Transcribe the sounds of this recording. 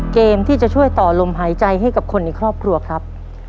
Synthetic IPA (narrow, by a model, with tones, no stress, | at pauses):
keː˧mt̪ʰiː˥˩t͡ɕa˨˩t͡ɕʰu˥˩əjt̪ɔː˨˩lo˧mɦaː˩˦jt͡ɕa˧jɦa˥˩jka˨˩p̚kʰo˧nːi˧˩kʰɾɔː˥˩p̚kʰɾu˧ɐkʰɾa˦˥p̚